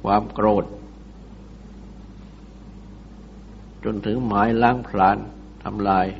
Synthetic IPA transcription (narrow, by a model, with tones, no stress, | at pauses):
kʰwaː˧mkɾoː˨˩t̪̚ | t͡ɕo˧nt̪ʰɯ˩˦ŋmaː˩˦jlaː˧˥˩ŋpʰlaː˩˦˥n | t̪ʰa̰˧mlaː˧j